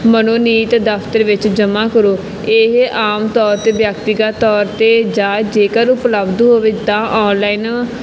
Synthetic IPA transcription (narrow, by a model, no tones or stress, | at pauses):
mənoːniːt̪d̪əpʰt̪əɾʋɪt͡ʃd͡ʒəmaːkəɾoː | eːɦʔaːmt̪ɔːɾt̪eːbjəkt̪ɪɡaːt̪ɔːɾt̪eːd͡ʒãːd͡ʒeːkəɾʊpləbd̪ɦoːʋeːt̪ãːʔɔːnlaːiːn